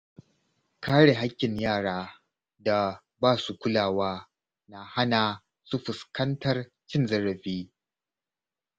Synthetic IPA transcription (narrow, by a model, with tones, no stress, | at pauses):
kʰaː˦ɽe˨ɦa˦kʲːɪ˨ɲjaː˦˨ɽaː˦ | da˨ | baː˦su˨kʷʊ˦laː˨waː˦ | na˨ha˦na˨ | su˦ɸʊ˨skɐ˦ntɐ˦r | t͡ʃɪ˦nzɐ˦ɾɐ˨ɸiː˦